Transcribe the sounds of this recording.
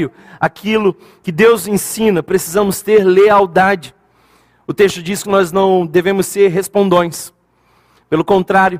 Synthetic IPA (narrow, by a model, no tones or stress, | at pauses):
ʊ | akʰilʊ | kɪd̪ewzẽsĩnɐpɾesizɐ̃mʊst̪eɾleawd̪ad͡ʒɪ | ʊt̪est̪ʊd͡ʒiskɪnɔznɐ̃w̃d̪evẽmʊsːeɾɦespõnd̪õj̃s | pelʊkõnt̪ɾaɾjʊ